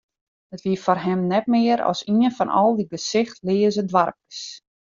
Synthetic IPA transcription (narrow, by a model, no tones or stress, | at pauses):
ətʋiəfɔrɦɛmnɛt̚mɪəɾɔ̰siənfɔnɔlˠdibəsɪxtlɪːəzədʋarp̚ə̥s